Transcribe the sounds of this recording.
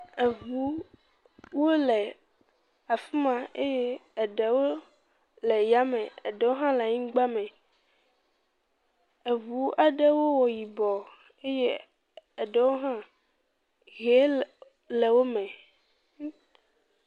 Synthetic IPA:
e˨vu˦ | wo˦lɛ˨ | a˨fi˦mã˨e˦jeː˦˨ɖɛ˨wo˦ | lɛ˨ja˦mɛ̃˨ḛ˨ɖɛ˨wo˦ɦã˦la˨ɲĩ˦ɡ͡ba˦mɛ̃˨ | e˨vu˦a˨ɖe˦wo˦wɔ˨ji˨bɔ˨ | e˦je˦ | ɛ˨ɖɛ˦wo˦ɦã˦ | ɣe˦ | lɛ˨wo˦mɛ̃˨

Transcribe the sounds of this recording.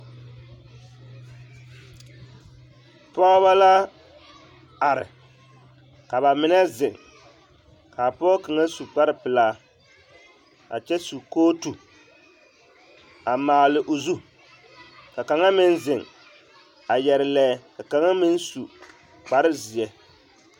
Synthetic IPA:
pɔ˦βa˦la˦ | a˨ɾɪ̰˨ | ka˨ba˨mɪ˦nɛ˦zɪ˨ŋ | ka˨pɔ˦kɨ˨ŋa˦su˨k͡pa˦ɾɨ˦pɨ˨laː˦ | a̰˨t͡ʃɛ˦su˨koː˦tu˨ | a˨maː˨lɨ˨ʔo˨zu˦ | ka˨ka˨ŋa˦mɪ˦n˦zɪ˨ŋ | a˨jɛ˨ɾɪ˨lɛː˦ka˨ka˨ŋa˦mɪ˦n˦su˨ | k͡pa˨ɾɪ˦zi˨jɛ˨

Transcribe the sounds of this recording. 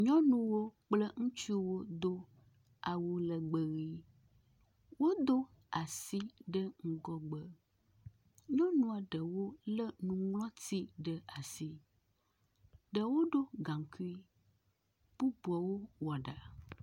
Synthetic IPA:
ɲɔ̃˦nũ˦wo˦k͡plə˦ŋũ˦t͡ʃu˦wo˦d̪o˦ | a˨wo˨lə˨ɡ͡bə˨ɣi˦ | wo˦d̪o˦ | a˨si˦ɖə˦ŋ̩˦ɡɔ˦ɡ͡bə˦ | ɲɔ̃˦nũ˦a˨ɖə˨wo˦lə˦nũ˦ŋlɔ̃˦t̪i˦ɖə˦a˨si˦ | ɖə˨wo˦ɖo˦ɡa˨m˨ki˦ | b̥u˦bu˨a˨wo˦wɔ˨ɖa˨

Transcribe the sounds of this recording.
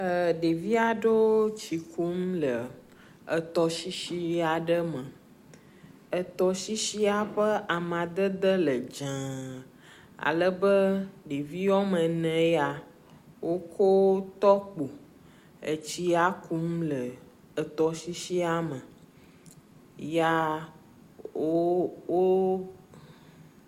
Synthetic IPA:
ə˨ɖe˨vi˦a˨ɖo˦t͡ɕi˨ku˦mlə˨ | ə˨t̪ɔ˦si˦ʃi˦a˨ɖə˦mə̃˨ | ə˨t̪ɔ˨ʃi˦ʃi˦a˨ɸə˦a˨mã˨d̪ə˦d̪ə˦lə˨d͡ʒã˨ | a̰˨lə˦bə˦ɖi˨vi˦jɔ˦mə̃˨nɛ̃˨˦ja˨ | wo˦ko˦wt̪ɔ˦k͡po˨ | ḛ˨t͡ɕi˦a˦ku˦m˦lə˨ | ə˨t̪ɔ˨ʃi˦ʃi˦a˦mə̃˨ | ja˦ | o˦wo˦

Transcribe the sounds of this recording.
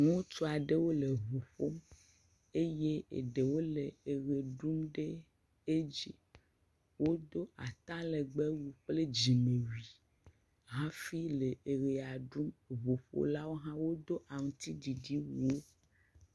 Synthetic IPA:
nũ˦o˦t͡ʃo˦a˨ɖe˦wo˦le˨βo˨ɸo˦m | e˦je˦ḛ˨ɖe˨wo˦le˨e˨ɣe˨ɖu˦mɖe˦ | e˦d͡ʒi˦ | wo˦d̪o˦a˨t̪ã˦le˨ɡ͡be˦wu˦ɸk͡ple˦d͡ʑi˨me˨wi˨ | ɦã˦fi˦le˨e˨ɣe˨a˨ɖu˦mβo˨ɸo̰˦la˦wo˦ɦã˦wo˦d̪o˦ʔa˨ŋũ˨t̪i˦di˨di˦wu˨wo˦

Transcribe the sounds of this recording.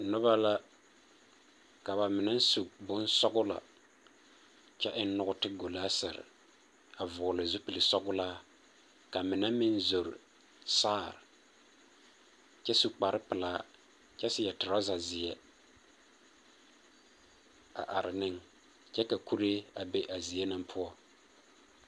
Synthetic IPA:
nʊ˦ba˦la˦ | ka˨ba˨mɪ˨na˦n˦su˨bʊ˦n˦sɔ˦ɡʊ˦la̰˨ | t͡ʃɛ˦ʔɪ˦n˦nʊ˦ɣʊ˦tɪ˦ɡo˨laː˦sɛ˨ɾɪ̰˨ | a˨vʊ˨lɪ˨zʊ˦pi˨lɪ˨sɔ˦ɡʊ˦laː˦ | ka˨mɪ˨na˦mɪ˦nzo˨ɾɪ̰˨ | saː˦˨ɾɪ˨ | t͡ʃɛ˦su˨k͡pa˨ɾɪ˦pɪ˨laː˦ | t͡ʃɛ˦sɪ˦jɛ˨tɪ˨ɾa˦za˨zɪ˨ɛ˨ | a̰˨ʔa˨ɾɪ˨nɪ˦ŋ | t͡ʃɛ˦ka˨ku˦ɾe˦a˨be˦ʔa˨zi˨jɛ˦na˦mpʰʊ˦ɔ˦

